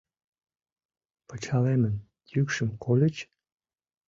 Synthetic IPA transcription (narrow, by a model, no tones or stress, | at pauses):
pət͡ɕɑlemən | jykʃə̆mkolʲət͡ɕ